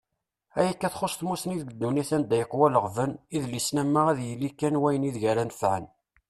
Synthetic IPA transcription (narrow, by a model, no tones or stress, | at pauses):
æjəkːæθχosˤθmusniðɡəd̪ːuniθænd̪æjəqːwæləʁvəniðlisnæmːaʁæðjəlːikːænwæjəniðʝæɾænfʕə̰n